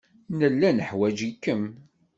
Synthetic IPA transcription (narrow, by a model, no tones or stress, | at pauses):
nəlːænəħwæd͡ʒikːəm